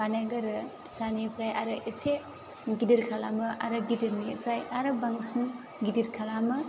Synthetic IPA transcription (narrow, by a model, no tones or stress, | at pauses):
anaɡɐɾɯ | sanipʰɾajʔaɾɯʔese | ɡidiɾkʰalamɐʔa̰ɾɯɡidiɾnipʰɾajaɾɯbaŋsiŋ | ɡidiɾkʰalamɯ